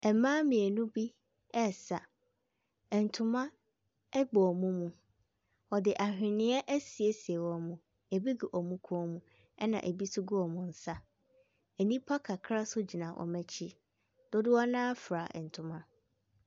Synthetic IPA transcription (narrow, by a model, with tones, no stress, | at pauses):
ɛ˨mãː˦mĩ˨e˨nũ˦bi˦ | ɛ˦˨sa˨ | ɛ˨n̩˨tʰʊ̃˦mã˦ | ɛ˦ɡ͡bɔ˨ɔ˨mũ˦mũ˨ | ɔ˨dɪ˨ʔa˨hᶣɪ̃˨nɪ̃˦ɛ˦ʔɛ˦si˨e˦si˨e˨wɔ˨mũ˨ | e˨bi˦ɡi˨ʔɔ˨mũ˦kʰɔ˦mũ˨ | ɛ˦nã̰˨ʔe˨bi˦sʊ˦ɡu˦ɔ˨mʊ̃˨n̩˨sa˦ | ɛ˨nĩ˦pʰa˦kʰa˨kʰɾa˦sʊ˦d͡ʑi˨nã˨ʔɔ̰˨mɛ˦t͡ɕʰi˦ | d̥ʊ˦dɪ˦wɔ˦nãː˦fɾa˨ɛ˨n̩˨tʰʊ̃˨mã˦